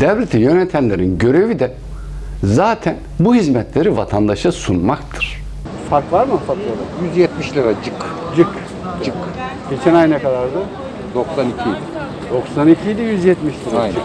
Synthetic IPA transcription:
d̪̥ɛvlʲet̪ʰijø̞nɛt̪ʰæmlʲe̞ɾinɟø̞ɾe̞vid̪ɛ | zaːt̪ʰænbuhizmɛt̪lʲe̞ɾivat̪ʰand̪aʃasunmakt̪ʰɯ̥ɾ̥ | faɾkvˠaɾmfaɾklˠad̪ajyzjɛt̪miʃlʲeɾad͡ʒɯk | d͡ʒɯk | d͡ʒɯk | ɟ̥e̞t͡ʃʰɛnajnɛkad̪aɾd̪ɯ | d̪̥oksanicʰid̪ɛ | d̪̥o̞ksanicʰijd̪ijyzjɛt̪miʃlʲiɾajnɛ

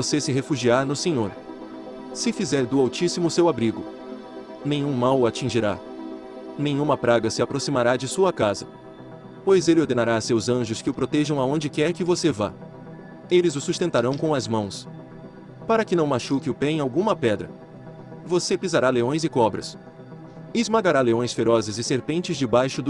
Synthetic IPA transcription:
vosesɪɦefuʒiaɾnʊsẽɲoɾ | sɪfizɛɾd̪ʊawt͡ʃisimʊsewabɾiɡʊ | nẽɲ̃ũmawat͡ʃĩʒiɾa̰ | nẽjɲ̃ũmɐpɾaɡɐsɪapɾosimaɾad͡ʒɪsuɐkazɐ | pojzelɪoɾd̪enaɾasewzɐ̃ʒʊskɪʊpɾot̪ɛʒɐ̃w̃aõnd͡ʒɪkɛɾkɪvoseva̰ | elɪzʊsust̪ẽnt̪aɾɐ̃w̃kõɐzmɐ̃w̃s | paɾɐkɪnɐ̃w̃maʃukɪʊpɛẽawɡũmɐpɛd̪ɾɐ̰ | vosepizaɾaleõj̃zɪkɔbɾɐ̰s | ɪzmaɡaɾaleõj̃sfeɾɔzɪzɪseɾpẽnt͡ʃɪzd͡ʒɪbajʃʊd̪

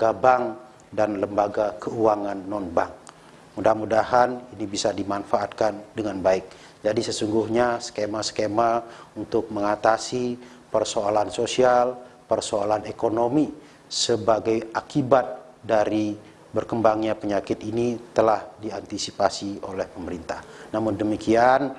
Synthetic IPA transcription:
ɡ̥abaŋ | danləmbaɡakəuaŋanːɔnbaŋ | mudahmudaɦaninibisadimanfaat̪̚kandəŋanbaɪk̚ | d͡ʒadisəsuŋɡuhɲaskemaskemaunt̪ʊk̚məŋat̪asi | pərsoalansosialpərsoalanekonomi | səbaɡajakibat̪̚ | daɾi | bərkəmbaŋɲapəɲakɪt̪init̪əlahdiant̪isipasio̰lɛhpəməɾint̪ahnamʊndəmikʰian

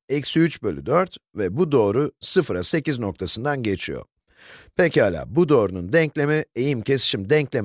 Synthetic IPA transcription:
ɛcsyyt͡ʃbø̞lʲy̰d̪øɾt̪vɛbud̪o̞ːɾusɯfɾase̞cizno̞k̚t̪ʰasɯnd̪anɟe̞t͡ʃʰijo̰ | pʰecihalʲa̰ːbud̪o̞ːɾunund̪ɛɲclʲe̞mie̞jimcʰe̞si̥ʃimd̪ɛɲclʲem

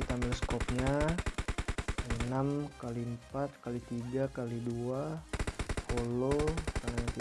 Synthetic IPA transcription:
it̪ambɪlskɔp̚ɲa | ənamkalimpat̪̚kalit̪iɡakalidua | holokanaɲat̪i

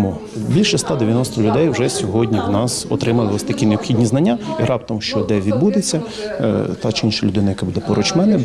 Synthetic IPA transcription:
mu | bʲilʲʃɛst̪ɑd̪eʋʲjɐnɔst̪ɔlʲʊd̪ɛjwʒɛsʲɔɦɔdʲnʲiwnɑsɔ̰t̪ɾɪmɐlˠɪɔst̪ɐkʲineɔpxʲidʲnʲiznɐnʲːaiɾɑpt̪ɔmʃt͡ʃɔd̪ɛʋʲid̪̚bud̪et͡sʲːɐ | t̪ɑt͡ʃɪinʃɐlʲʊd̪ɪnɐjɐkɛbud̪ɛpɔɾɔt͡ʃmɛnɪ

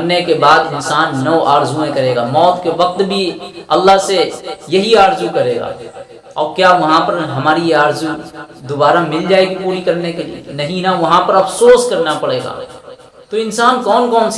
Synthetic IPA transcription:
ɐɾnekebaːd̪ɪnsaːnːɐʋʔaːɾzuẽkɐɾeːɡamɔːt̪keʋɐk̚t̪bʱiɐlːaɦsejɐɦiaːɾzukɐɾeːɡa̰ː | ɔ̰ːɾkjaːʋɐɦãpɐɾɦɐmaːɾijeaːɾzu | d̪obaːɾamɪld͡ʒaːeɡipuːɾikɐɾnekelḭḛnɐɦĩnaʋɐɦãpɐɾɐfʰsoːskɐɾnapɐɽeːɡa̰ː | t̪oɪ̃nsaːnkɔːnkɔːns

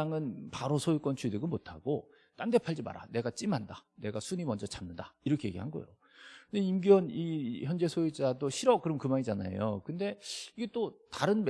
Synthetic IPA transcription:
ŋɯnpaɾosʰojik͈wʌnt͡ɕʰɥidɯɡɯnmotʰa̰ɡ̥o | t͈ande̞pʰaɭd͡ʑima̰ɾa̰ne̞ɡat͡ɕ͈imanda̰ne̞ɡasʰuɲimʌnd͡ʑʌt͡ɕʰamnɯndaiɾʌkʰe̞je̞ɡiɦanɡʌ̰jo̰ | kɯndeimɡiʌniçjʌnd͡ʑe̞sʰoid͡ʑadoɕʰiɾʌkɯɾʌmkɯmaɲid͡ʑana̰jo̰kɯnde̞iɡe̞t͈otaɾɯnm

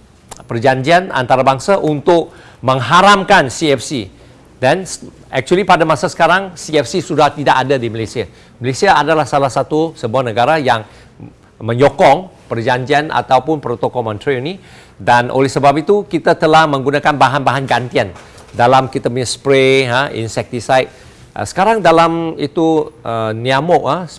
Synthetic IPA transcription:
pərd͡ʒaɲd͡ʒiana̰nt̪aɾabaŋsaʔunt̪ʊk̚ | mə̃ŋɦaɾamkansiɛfsi | dɛn | ɛk̚t͡ʃuəlipadamasasə̥kaɾaŋsiɛfsisudaht̪idaʔadadiməlesia | məlesiaadalahsalahsat̪usəbuahnəɡaɾajaŋ | mə̃ɲokɔŋ | pərd͡ʒaɲd͡ʒianʔa̰t̪awpʊnpɾot̪okɔmãnt̪ɾiuni | danʔo̰lɛhsəbap̚it̪ukit̪at̪əlahmə̃ŋɡunakanbaɦanbaɦanɡant̪ian | dalamkit̪apuɲaspɾeɦaḭnsɛk̚t̪isajt̪̚ | ʔə̰sə̥kaɾaŋdalamit̪uʔəniamɔʔa

